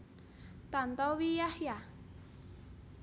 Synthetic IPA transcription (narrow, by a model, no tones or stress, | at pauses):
t̪ant̪ɔwijahja